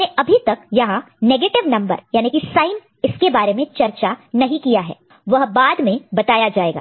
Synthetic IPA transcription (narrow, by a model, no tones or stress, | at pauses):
eɐbʱit̪ɐkjɐɦã | neːɡeːʈɪʋnɐ̃mbə̰ɾjaːnikisaːɪn | ɪskebaːɾemẽt͡ʃɐɾt͡ʃanɐɦĩkijaɦɛ̰ː | ʋɐɦbaːd̪mẽbɐt̪aːjad͡ʒaːeːɡa̰ː